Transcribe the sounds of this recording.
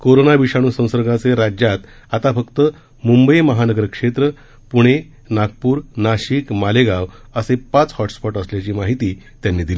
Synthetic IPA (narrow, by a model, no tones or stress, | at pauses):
koɾonaʋiɕaɽ̃uːsə̃w̃səɾɡat͡seɾad͡ʑjat̪ | at̪afəkt̪ə | mumbəjməɦanəɡəɾkʂet̪ɾə | puɽ̃e | naɡ̚puːɾnaɕikmaleɡaʋ | əsepat͡shɔʈspɔʈəsljat͡ɕiːmaɦit̪iː | t̪janːiːd̪ili